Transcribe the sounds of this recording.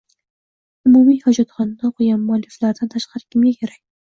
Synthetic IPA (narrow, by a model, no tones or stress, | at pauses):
ʊmumijhɒd͡ʒɑt̪χɒnːaqʰojanmːʊɑlːɪflaɾd̪ant̪ʰaʃqʰɑɾɪkʲʰɪmɡʲakʲʰeɾakʲ